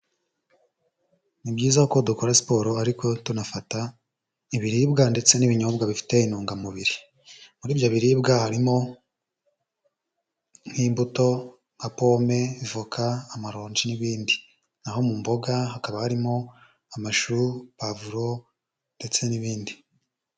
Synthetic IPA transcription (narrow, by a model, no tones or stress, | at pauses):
nibɟiːzakodukoɾasi̥po̞ɾo̞aɾiko̞tunafata | iβiɾiːbɡande̞t͡se̞niβiɲoːbɡaβifi̥te̞inuːŋɡamuβiɾi | muɾiːvjo̞βiɾiːbɡahaɾimo̞ | n̥hiːmbuto̞ | ŋɡapome̞ivukʰaːmaɾo̞ːɲd͡ʒiniβiːndi | naho̞mumbo̞ɡahakaβahaɾimo̞ | amaʃuɾβavuɾo̞ | nde̞t͡se̞niβiːndi